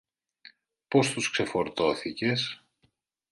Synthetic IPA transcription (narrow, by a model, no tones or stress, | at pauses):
po̞st̪uskse̞fo̞ɾt̪o̞θice̞s